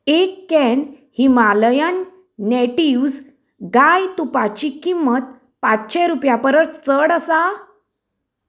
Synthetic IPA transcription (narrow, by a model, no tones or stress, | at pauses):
ekːɛn | himaləjanː | eʈiwd͡z | ɡajt̪upat͡ɕikimːət̪̚ | pat͡sɕẽɾupjapəɾət͡st͡səɽəsa